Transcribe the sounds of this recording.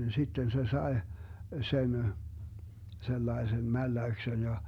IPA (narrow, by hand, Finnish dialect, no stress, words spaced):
sitːen se sɑe sen selːɑesem mælːæyksen jɑ